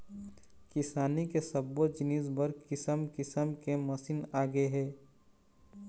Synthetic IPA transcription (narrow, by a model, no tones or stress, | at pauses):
kɪsaːnikesɐbːod͡ʒɪniːsbəɾkɪsəmkɪsəmkemɐsiːnaːɡeɦɛː